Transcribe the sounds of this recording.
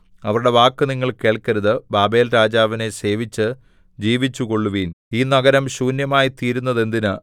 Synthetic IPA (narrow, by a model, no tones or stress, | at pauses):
ɐʋɐɾuɽe̞ʋaːkːɨniŋːɐɭke̞ːɭkɐɾɐðɨbaːbe̞ːlɾaːd͡ʑaːʋine̞se̞ːʋit͡ɕːɨ | d͡ʑiːʋit͡ɕːuko̞ɭːuʋiːniːnɐɡɐɾɐmɕuːnjɐmaːjit̪iːɾunːɐðe̞nd̪inɨ